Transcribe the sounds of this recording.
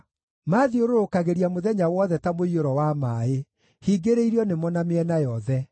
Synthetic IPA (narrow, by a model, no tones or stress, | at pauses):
maːðioɾoɾokaɣeɾiamoðɛɲawɔðɛtamoioɾɔwamaːe | hiɡeɾeiɾiɔnemɔnameɛnajɔðɛ